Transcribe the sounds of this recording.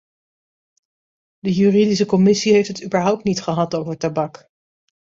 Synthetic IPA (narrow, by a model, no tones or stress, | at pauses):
dəjyridis̬əkɔmɪsiɦejftɦətyːbəɹɦʌwp̚tnitχəɦɑtowvəɹtabɑk